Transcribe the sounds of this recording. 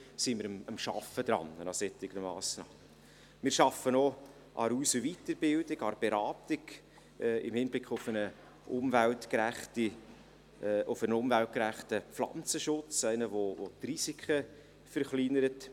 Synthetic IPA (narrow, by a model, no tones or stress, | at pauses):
simɪɾəəmʃɑ̰fːəd̥̪ɾɑ̰nənɑsɛtɪɡ̥nmɑ̰ːsnɑːmə | mɪːɾʃɑfːənɔ | ʔɑ̰ɾuːsəʋitəɾbɪldɪɡɑɾb̥ɛɾɑːtɪɡ | ɪ̰mhɪnb̥lɪkχʊfənə | ʊmvæltkɾæχti | ʔʊfənʊmvælt̚kɾæχtəflɑ̰nt͡səʃʊt͡sæɪnəʋovotrisikʰə | fəɾχlinəɾət